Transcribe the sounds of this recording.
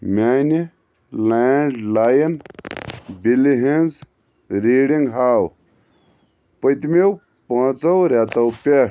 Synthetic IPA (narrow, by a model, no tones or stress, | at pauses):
mʲaːni | laːɳɖlaːjɐn | biliɦenz | ɾiːɽiŋɡɦaːw | pət̪mew | pɐ̃ːt͡sɐwɾʲat̪ɐwpʲe